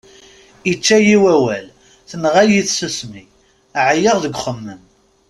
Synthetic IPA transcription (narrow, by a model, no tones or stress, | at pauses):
it͡ʃːæjiwæwæl | θənʁæjiθsusmi | ʕajəʁðəɡʷχəmːən